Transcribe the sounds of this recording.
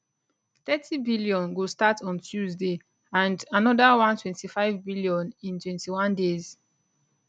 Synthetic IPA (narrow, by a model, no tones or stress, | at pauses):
t̪ɛtʰibiliɔ̃nɡostatʰɔ̃ntʰjuzde | ãndanɔdawãntwɛ̃ntifaɪvbiljɔ̃nĩntwɛ̃ntiwãndez̥